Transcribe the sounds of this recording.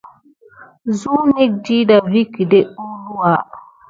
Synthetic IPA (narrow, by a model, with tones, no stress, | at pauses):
zuː˦ni˦k̚di˦da˨vi˦ki˨de˦u˦lu˦a˦